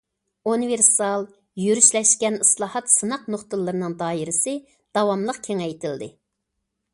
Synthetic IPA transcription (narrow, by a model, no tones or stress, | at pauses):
univeɾsɑlˠ | jyɾyʃlɛʃkʲɛnislˠɑːhɑt̪sɨnɑqnoχt̪ɨlˠːɨɾɨnɨŋd̪ɑːiɾɪsɪ | d̪̥ɑwɑmlˠəqkʲʰeŋɛjt̪ʰɪld̪ɪ